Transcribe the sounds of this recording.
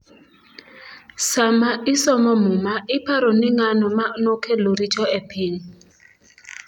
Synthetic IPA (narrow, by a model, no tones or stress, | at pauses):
samaɪsɔmɔmʊmaʔɪpaɾɔnɪŋanɔmanokʰeloɾit͡ʃɔepʰɪni